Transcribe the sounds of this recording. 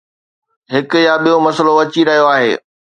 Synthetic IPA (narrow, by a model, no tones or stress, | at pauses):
ɦɪkʊjaɓijomɐsəloʋɐt͡ɕiɾɐɦijoaːɦḛː